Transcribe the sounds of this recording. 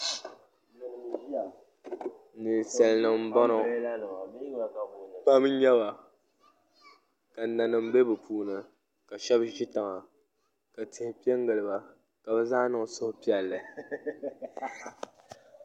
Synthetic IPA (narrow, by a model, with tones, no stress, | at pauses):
nɨ˨n˨sɛ˨lnɨ˨m̩˦bɔ˦nɔ˨˦˨ | pa˦m˦ɲɛ˦ba˨ | ka˨na˨nɨ˨m˦be˦bɨ˨pʰuː˦nɨ˨ | ka˨ʃɛ˦bʒi˦ta˨ŋa˨ | ka˨tɪ˨hɪ˨˦pi˦ɛ˦ŋɡɨ˨lɨ˨ba˨ | ka˨bɛ˦zaː˦nɨ˨ŋ˨sʊ˦hʊ˨pi˦ɛ˨lːɨ˨